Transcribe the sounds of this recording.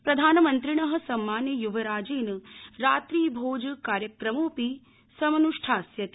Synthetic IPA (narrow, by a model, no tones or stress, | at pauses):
pɾɐd̪ʱaːnɐmɐnt̪ɾiɳɐɦɐ̆sɐmːaːnjɐjuʋɐɾaːd͡ʒeːnɾaːt̪ɾiːbʱoːd͡ʒɐkaːɾjɐkɾɐmoːpi | sɐmɐnuʂʈʰaːsjɐt̪